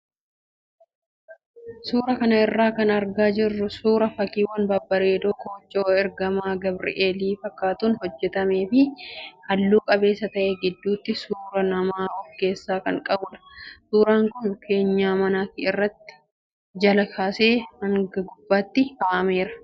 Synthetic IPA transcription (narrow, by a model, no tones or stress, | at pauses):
suːɾɐkɐnɐɪrːaːkɐnɐɾɡaːd͡ʒɪrːʊsuːɾɐfɐkiːwɐnbɐbːɐɾe̞ːd̪oːkoːt͡ʃːoːɛɾɡɐmaːɡɐbɾɪ̰ʔeːliːfɐkːaːt̪uːnhɔd͡ʒːɛt̪ɐme̞ːfɪhɐlːuːkʼɐbe̞ːsːɐt̪ɐʔeːɡɪd̪ːuːt̪ːɪsuːɾɐnɐmaːɔɡe̞ːsːaːkɐŋkʼɐbʊᶑɐ̥suːɾaːŋkʊnkʰe̞ːɲːaːmɐnaːkɪɪrːɐt̪ːɪ̥ | d͡ʒɐlɐkʰaːse̞ːmɐŋɡɐɡʊb̥ːaːt̪ːɪhaːʔɐme̞ːɾɐ̥